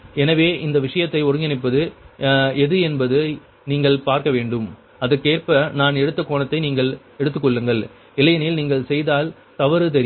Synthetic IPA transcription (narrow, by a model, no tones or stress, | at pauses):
ɛnɐʋeːʔɪnd̪ɐʋɪʂɐjɐt̪ːɐɪɔɾɯŋɡɪnɪpːɐðɯ | ɛðɯɛnbɐðɯ | niːŋɡɐɭpaːɾkɐʋeːɳɖɯm | ɐðɯkeːrpɐnaːnɛɽɯt̪ːɐkoːɳɐt̪ːɐɪniːŋɡɐɭ | ɛɽɯt̪ːɯkːɔɭːɯŋɡɐɭ | ɪlɐjɐnɪlniːŋɡɐɭsɛjðaːl | t̪ɐʋɐɾɯt̪̬ɛɾɪ